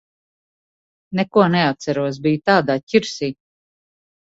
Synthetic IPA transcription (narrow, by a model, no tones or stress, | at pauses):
nɛkuɔnɛat̪sæɾuɔs̬bijt̪aːd̪aːcʲiɾsiː